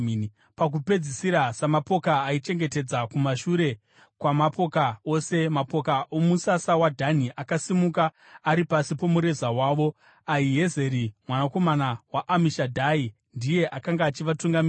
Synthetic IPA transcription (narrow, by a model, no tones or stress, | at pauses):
pak̬upe̞d͡zisiɾasamapo̞kaːit͡ʃe̞ŋɡe̞te̞d͡zakumaʃuɾe̞ | kwamapo̞kao̞se̞mapo̞kaʔomusasawadʱaniʔakasimukaː | ɾipasipo̞muɾe̞zawaːʋo̞ | aiɦe̞ze̞ɾimwanako̞manawaʔːmiʃadʱai | ndije̞ʔakaŋɡaːt͡ʃiʋatuŋɡami